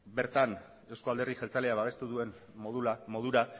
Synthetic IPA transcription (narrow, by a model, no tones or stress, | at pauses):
be̞ɾt̪an | e̞wsko̞ald̪e̞rðixelt͡saleaβaβe̞st̪uðue̞n | oðuamo̞ðuɾa